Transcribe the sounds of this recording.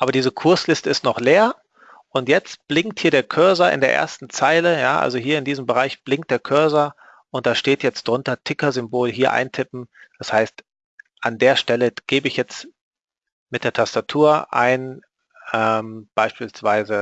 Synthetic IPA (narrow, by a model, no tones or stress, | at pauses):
ʔaːbɐdiːzəkʰʊɐslɪstəɪstnɔχleːɐ | ʔʊntjɛt͡stb̥lɪŋkthiːɐɾeːɐkʰœɐzɐʔɪ̰ndeːɐʔḛːɐstn̩t͡saɪləjaːʔa̰lzoɦiːɐɪndiːzəm̩bəʁaɪçb̥lɪŋ̚t̚d̥eːɐkʰœɐzɐ | ʔʊnt̚d̥aːʃteːtjɛt͡std̥ʁʊntɐtʰɪkɐzʏmboːlɦiːɐʔa̰ɪntʰɪpm̩d̥ashaɪst | ʔandeːɐʃtɛləɡ̥eːbəɪçjɛt͡st | mɪt̚d̥eːɐtʰastatʰuːɐʔa̰ɪn | ʔɛmb̥aɪʃpiːlsv̥aɪzə